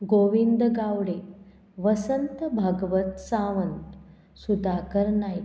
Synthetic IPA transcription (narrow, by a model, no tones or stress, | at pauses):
ɡoʋind̪ɡaʋɽe | ʋəsənt̪əbʱəɡʋət̪saʋənt̪ | sud̪ʱakəɾnaj